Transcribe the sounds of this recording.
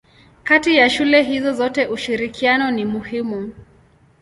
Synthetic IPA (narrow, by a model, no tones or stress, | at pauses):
katijaʃulɛɦizɔzɔtɛʔuʃiɾikʰianɔnimuhimu